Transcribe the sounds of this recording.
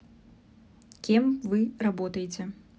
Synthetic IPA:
kʲimvɨrabɔt̪ɐjet͡sʲɛ

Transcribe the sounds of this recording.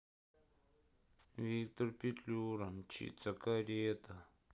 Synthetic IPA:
wik̚t̪oɾpit͡ɬuɾamt͡ʃʰḭt͡sakaɾet̪a

